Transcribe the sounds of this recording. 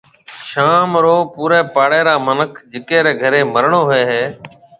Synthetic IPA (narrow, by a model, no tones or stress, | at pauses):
ʃaːmɾoːpuːɾeːpaːɽeːɾaːmənəkʰd͡ʒɪkeːɾeːɡʱəɾeːməɾɳoːɦeːɦeː